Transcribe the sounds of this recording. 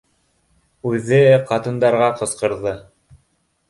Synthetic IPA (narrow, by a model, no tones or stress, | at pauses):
ʉðɘqɑt̪ɤ̆nd̪ɑɾʁɑqɤ̆sqɤ̆ɾðɤ